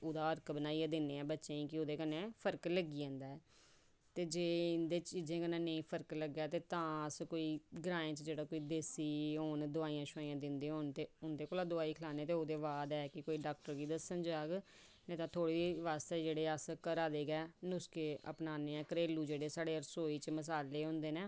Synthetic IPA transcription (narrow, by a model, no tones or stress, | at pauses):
ʊd̪aːəɾkbənaːiːãːd̪ɪneːɛ̃ːbətːʃẽːĩːkɪod̪eːkənẽːpʰəɾkləɡiːɛ̃ːnd̪aːɛː | t̪eːd͡ʒeːɪnd̪eːt͡ʃiːzẽːkənẽːnəĩːpʰəɾkləɡɛːt̪eːt̪ãːəskoːiːɡəɾaːẽːt͡ʃd͡ʒeːɽaːkoːiːd̪eːsiːɦoːnd̪ʊaːiːãːʃaːiãːd̪ɪnd̪eːɦoːnt̪eːʊnd̪eːkoːlaːd̪ʊaːiːkʰəlaːneːt̪eːoːd̪eːʋaːd̪ɛːkɪkoːiːɖaːk̚ʈəɾɡiːd̪əsənd͡ʒaːɡ | nẽːt̪ãːt̪ʰoːɽiːʋaːst̪eːd͡ʒeːɽeːəskəɾaːd̪eːɡɛːnʊskeːʔə̰pnaːneːɛ̃ːkɾeːluːd͡ʒeːɽeːsaːɽeːəɾsoːiːt͡ʃməs̬aːleːɦõnd̪eːneː